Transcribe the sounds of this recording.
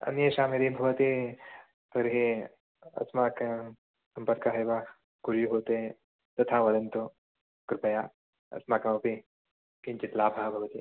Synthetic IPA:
ɐ̰njeʃaːmiɾibʱɐʋɐt̪i | pɐɾɦi | ɐ̰smak | sɐ̃mpɐɾkaɦɐjʋa | ɡuɾjuɦoːt̪ẽ | t̪ɐt̪ʰaʋɐd̪ɐnt̪o | kɾɪpɐjaː | ɐ̰smakɐmɐpi | kint͡ʃit̪laːbʱaːbʱɐʋɐt̪i

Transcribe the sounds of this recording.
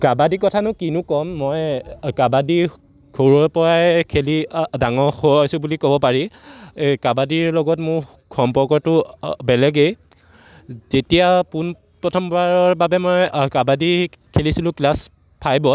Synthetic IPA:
kabadikɔtʰanʊkinʊkɔmːɔjkabadi | kʰoɹɔpɔɹajkʰelidaŋɔxoojsʊbulikɔbɔpaɹi | kabadiɹlɔɡɔtmʊɹ | kʰɔmpɔɹkɔtʊbɛlɛɡej | zetijapun | pɹɔtʰɔmbaɹɔɹbabɛmɔjkabadikʰelisilʊ̃klas | pʰajbɔt

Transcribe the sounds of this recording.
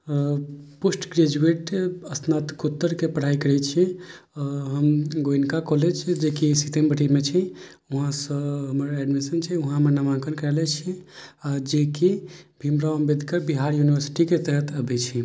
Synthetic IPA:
pusʈɡɾed͡ʒueʈəsnat̪kut̪ːəɾkepəɽ̤aikəɾɛt͡ʃʰɛ | ɔɦəmɡoinkakɔled͡ʒd͡ʒekisit̪embəʈimet͡ʃʰi | uɦãsəɦəməɾɛɖmisənt͡ʃʰɛuɦãmenəmãŋkənkəɾɛlɛt͡ʃʰiad͡ʒekibʱimɾaəmbed̪ʱkəɾbiɦaɾjunibəɾsi̥ʈiket̪əɦət̪ʰəbɛt͡ʃʰi

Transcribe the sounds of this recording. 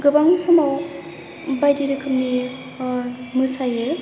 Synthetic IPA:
ɡɯbaŋusɔmaw | bajdiɾɯkʰɯmni | mɯsaje

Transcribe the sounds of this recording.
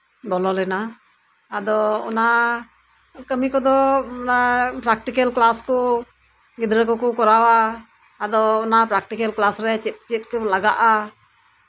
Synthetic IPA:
bɔlɔlɛnaː | d̪ɔɔ̰na | kəmikɔd̪ɔapɾak̚ʈikəlklaskɔ | ɡid̪ɾəkɔkɔkɔɾawaː | d̪ɔːnapɾak̚ʈikəlklasɾɛt͡ʃit̪̚t͡ʃit̪̚ˀkəlaɡaʔa

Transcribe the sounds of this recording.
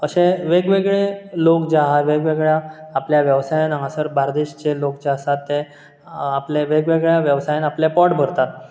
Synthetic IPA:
əɕeʋeɡʋeɡɭelokd͡ʑeaɦaʋeɡʋeɡɭjaːpljaʋjəʋsajanaasəɾbaɾd̪eɕt͡ɕelokd͡ʑeasat̪ːe | apleʋeɡʋeɡɭjaʋjəʋsajanaplepɔʈbʱəɾt̪at̪

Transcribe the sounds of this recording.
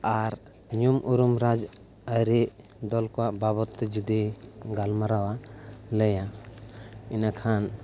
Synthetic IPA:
aɾ | ɲumʔuɾumɾad͡ʒ | əɾɛʔ | d̪ɔlkɔwaʔbaβɔt̪ːɛd͡ʒud̪iɡalmaɾawaləja | inakʰan

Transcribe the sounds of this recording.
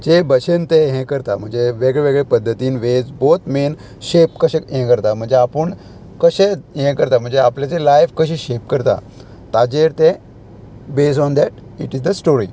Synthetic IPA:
d͡ʑebəɕent̪eɦɛ̃kəɾt̪am̤əɳd͡zeʋeɡɭɛʋeɡɭɛpəd̪ʱːət̪iːnʋed͡zbot̪men | ɕep̚kəɕẽɦɛ̃kəɾt̪am̤əɳd͡zeapəɳ | kəɕeɦɛ̃kəɾt̪am̤əɳd͡zeapljat͡selajfkəɕẽɕep̚kəɾt̪a̰ | t̪ad͡ʑeɾt̪ẽ | bes̬ɔnd̪ɛʈiʈisd̪əsʈoɾi

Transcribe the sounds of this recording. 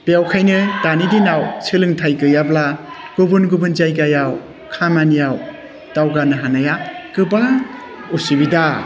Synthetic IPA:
b̥jawkʰajnɯdanidinawt͡ʃʰɯlɯŋtʰajkɯjablaɡ̥ubunɡubɯnd͡ʒajɡajaw | kʰamanjaw | d̥awɡanɯɦanajakɯba | usibida

